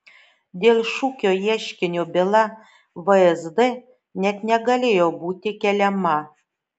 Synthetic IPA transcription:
d̪ʲelʲʃukʲojæʃkʲɘ̆nʲobʲelˠɑ | vəezd̪e | nʲæt̪nʲæɡɑlʲejobut̪ʲekʲælʲæmːɑ

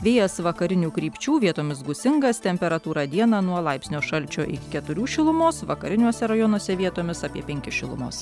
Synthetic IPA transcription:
ʋʲeːjɛsʋɐkɐɾʲɪnʲuːkɾʲiːpʲt͡ʃʲuːʋʲiɛt̪oːmʲɪsɡʊsʲɪŋɡɐst̪ʲɛmʲpʲɛɾɐt̪uːɾɑːd̪ʲiɛnɐnuɔlˠɐɪpʲsʲnʲoːʃɐlʲt͡ʃʲoːʔɪ̰kʲɪkʲɛt̪ʊɾʲuːʃʲɪlˠʊmoːsʋɐkɐɾʲɪnʲuɔsʲɛɾɐjɔnuɔsʲɛʋʲiɛt̪oːmʲɪsɑːpʲiɛpʲɛŋʲkʲɪʃʲɪlˠʊ̰mo̰ːs

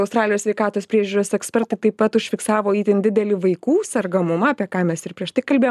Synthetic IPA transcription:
ɐʊst̪ɾɑːlʲɪjoːsʲʋʲɛɪkɑːt̪oːspʲɾʲiɛʒʲuːɾoːsɛksʲpʲɛɾt̪ɐɪt̪ɐɪppɐt̪ʊʃʲfʲɪksɑːʋoːiːt̪ʲɛnd̪ʲɪd̪ʲɛlʲɪʋɐɪkuːsʲɐrɡɐmʊmɐɐpʲiɛkɑːmʲɛsɪɾpʲɾʲiɛʃt̪ɐɪkɐlʲbʲeːjo

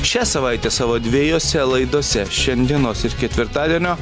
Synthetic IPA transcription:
ʃʲæsɐʋɐɪt̪ʲeːsɑːʋoːd̪ʲʋʲiːjoːsʲɛlˠɐɪd̪oːsʲɛʃʲɛnʲd̪ʲiɛnoːsɪɾkʲɛt̪ʲʋʲɪɾt̪ɑːd̪ʲiɛnʲoː

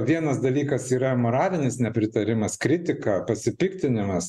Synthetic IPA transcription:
ʋʲiɛnɐsd̪ɐlʲiːkɐsiːɾɐmoːɾɑːlʲɪnʲɪsnʲɛpʲɾʲɪt̪ɐɾʲɪmɐskɾʲɪt̪ʲɪkɐpɐsʲɪpʲɪkt̪ʲɪnʲɪmɐs

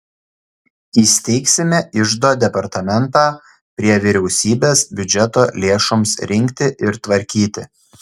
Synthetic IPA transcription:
iːsʲt̪ʲɛɪksʲɪmʲɛʔɪʒd̪oːd̪ʲɛpɐɾt̪ɐmʲɛnt̪ɑː | pʲɾʲiɛʋʲiːɾʲɛʊsʲiːbʲeːsbʲʊd͡ʒʲɛt̪oːlʲeːʃomsɾʲɪŋʲkʲt̪ʲɪʔɪɾt̪ʋɐɾʲkʲiːt̪ʲɪ

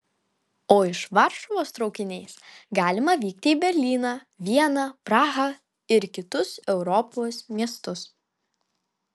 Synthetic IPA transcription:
oːɪʃʋɑɾʃɔʋoːst̪ɾɒʊkʲɪnʲɛɪsɡɑːlʲɪmɐʋʲiːk̚t̪ʲɪːbʲɛɾʲlʲiːnɑː | ʋʲiɛnɑːpɾɑːɣɐ | ɪɾkʲɪt̪ʊsɛʊɾɔpoːsmʲiɛst̪ʊs

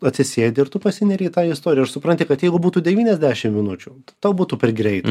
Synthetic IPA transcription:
ɐtʲsʲɪsʲeːd̪ʲɪɪrt̪uːpɐsʲɪnʲɛɾʲiːt̪ɑːɪst̪oːɾʲɪjɛɐʃsʊpɾɐnʲt̪ʲɪkɐt̪jɛɪɡʊbuːt̪uːd̪ʲɛʋʲiːnʲɛzʲd̪ʲæːʃʲɪmmʲɪnʊt͡ʃʲʊːt̪t̪oʊbuːt̪uːpʲɛrɡɾʲɛɪt̪

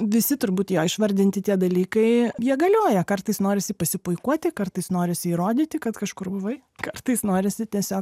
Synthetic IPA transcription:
ʋʲɪsʲɪt̪ʊɾbuːt̪joːɪʃʋɐɾʲd̪ʲɪnʲt̪ʲɪt̪ʲiɛd̪ɐlʲiːkɐɪjiɛɡɐlʲoːjɛkɐrt̪ɐɪsnoːɾʲɪsʲɪpɐsʲɪpʊɪkuɔt̪ʲɪkɐrt̪ɐɪsnoːɾʲɪsʲɪiːɾoːd̪ʲiːt̪ʲɪkɐt̪kɐʃkʊrbʊʋɐɪ | kɐrt̪ɐɪsnoːɾʲɪsʲɪt̪ʲiɛsʲoːk

